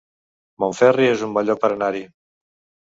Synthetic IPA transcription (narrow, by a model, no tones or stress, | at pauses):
moɱfɛriezumbɔʎɔk̚pəɾənaɾi